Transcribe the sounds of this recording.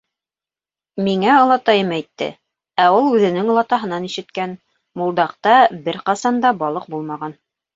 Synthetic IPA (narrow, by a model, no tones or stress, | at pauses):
miŋæŏlˠɑt̪ɑjɤmæjt̪ːɘ̰ | æulˠʉðɘ̆nɘŋŏlˠɑt̪ɑɦɤ̆nɑniʃɘ̆t̪kæn | mulˠd̪ɑqt̪ɑbɘɾqɑsɑnd̪ɑbɑlˠɤq̚bulˠmɑʁɑn